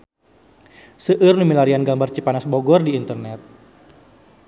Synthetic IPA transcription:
səʔɨrnumilaɾianɡambart͡ʃipanasboɡɔrdiːnt̪ərnɛt̪̚

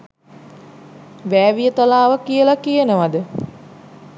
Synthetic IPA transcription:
ʋæːʋijət̪alaːʋəkijəlakijənəʋad̪ə

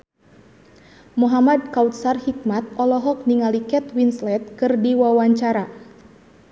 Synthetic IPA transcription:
muɦamadkaut̪sarhik̚mat̪̚ɔlɔɦɔk̚niŋalikɛt̪winslɛt̪̚kɨrdiwawaɲt͡ʃaɾa

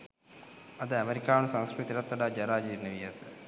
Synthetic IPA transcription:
ɐðɨɐmeɾikʲːaːɳɨsaŋskɾit̪ːiɾɐt̪ːɐɽad͡ʑɐɾaːd͡ʑiɾnɐʋijɐt̪ːɨ

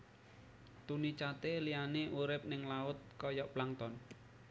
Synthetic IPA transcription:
t̪unit͡ʃat̪elijaneʔuɾɪp̚nɪŋlaʊt̪̚kɔjɔʔplaŋt̪ɔn

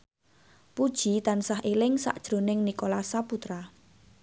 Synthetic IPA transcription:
pud̥ʒ̥i̤t̪ansaɦʔelɪŋsa̰ʔd̥ʒ̥ɾo̤nɪŋnikolasaput̪ɾa

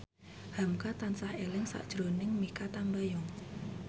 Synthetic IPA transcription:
hamkat̪ansahelɪŋsa̰ʔd̥ʒ̥ɾonɪŋmikat̪ambajɔŋ

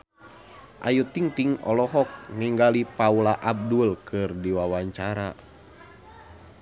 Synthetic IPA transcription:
ʔajut̪iŋt̪iŋɔ̰lɔɦɔk̚niŋɡalipaulaʔab̚dulkʰɨrdiwawaɲt͡ʃaɾa

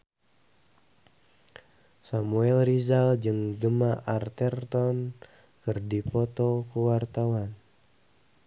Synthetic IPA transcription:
samuɛlrizald͡ʒɨŋɡəmaʔart̪ɛrt̪ɔn | kɨrdipɔt̪ɔkuwart̪awan

